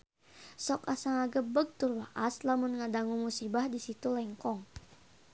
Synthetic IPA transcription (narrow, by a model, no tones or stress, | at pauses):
sɔkasaŋaɡəbəɡ̚t̪urbaʔaslamunŋadaŋuŋmusibahdisit̪ulɛŋkɔŋ